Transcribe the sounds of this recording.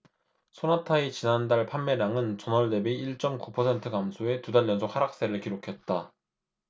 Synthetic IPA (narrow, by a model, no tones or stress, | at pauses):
sʰonatʰait͡ɕinandaɭpʰanmeɾaŋɯnt͡ɕʌnʌɭde̞biiɭt͡ɕ͈ʌmkupʰʌsʰe̞ntʰɯkamsʰoe̞tudaʎːʌnsʰok̚haɾak̚s͈e̞ɾɯɭkiɾokʰe̞t̚t͈a